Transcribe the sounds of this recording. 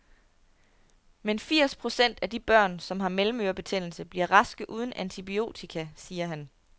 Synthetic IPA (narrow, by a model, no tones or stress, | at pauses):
menfiɐ̰spʰʁo̝sen̰d̥æd̥ib̥ɶɐ̰nsɒ̽mɦɑ̈melm̩øɐb̥e̝t͡sʰen̰l̩səb̥liɐʁɑ̈sɡ̥əʔuːð̞ˠn̩ʔænt͡sʰib̥io̝̰ːt͡sʰikʰæsiːɐɦæn